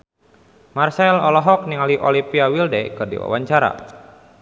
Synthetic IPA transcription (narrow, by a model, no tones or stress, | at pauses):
marsɛlɔlɔɦɔk̚niŋaliʔɔlipiawildekɨrdḭwa̰waɲt͡ʃaɾa̰